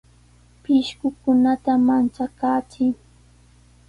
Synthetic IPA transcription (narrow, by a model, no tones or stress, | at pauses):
pɪʃkʊkʊnat̪amant͡ʃakaːt͡ʃɪŋ